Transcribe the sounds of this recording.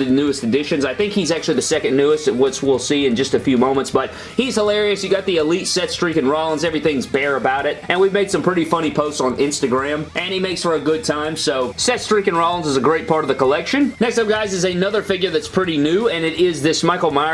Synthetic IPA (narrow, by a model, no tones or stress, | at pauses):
ɨnʉɨstɨdɪʃɨ̃nzaɪθɪ̃ŋkhizæk̚t͡ʃʉl̩ˠiðɨsɛkɨ̃nːʉɨstɨtwʌswilˠsiɨ̃nd͡ʒʌstɨfjʉmõʊ̃mə̃ntsb̥ʌt̚ | hiz̥həlɛɹiɨsjɨɡɑt̪̚ðiɨlitsɛtstɹ̥ikɨ̃nɹɑlˠə̃nzɛvɹiθɪ̃ŋzbɛɹɨbaʊɾɪt̚ɨ̃nwivmeɪd̥sʌ̃mpʰɹ̥ɪɾifʌñipʰoʊstsn̩ɪ̃nstɨɡɹæ̃mʔɨ̃nimeɪksfə˞ɨɡʊd̚tʰãɪ̃msoʊsɛtstɹ̥ikɨ̃nɹɑlˠə̃n̩zəzɨɡɹeɪt̚pʰɑɹɾʌvðɨkʰəlɛkʃɨ̃nnɛkstʌ̃ɡaɪzɨzɨnʌðə˞fɪɡjə˞ðɨtspʰɹ̥ɪɾinʉɨ̃nɨɾɪzðɪsmaɪkl̩ˠma